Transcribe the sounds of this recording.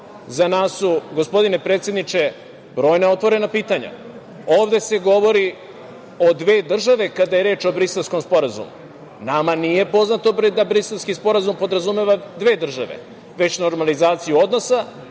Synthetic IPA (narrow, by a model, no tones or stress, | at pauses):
zanaːsːuɡo̞spo̞d̪ine̞pɾet̪sje̞d̪nit͡ʃe̞ | bɾo̞ːjnao̞t̪ʋo̞ɾe̞napiːt̪aɲa̰ | o̞ːvd̪e̞se̞ɡo̞ʋo̞ɾi | o̞d̪ʋe̞ːd̪r̩ʒaʋe̞kad̪aje̞ɾe̞ːt͡ʃo̞bɾiselsko̞mspo̞ɾazṵmṵ | namanije̞po̞znat̪o̞bd̪abɾiselskispo̞ɾazumpo̞d̪ɾazume̞ʋad̪ʋe̞ːd̪r̩ʒaʋḛ | ʋe̞t͡ɕno̞ɾmalizaːt̪sijuo̞d̪no̞sa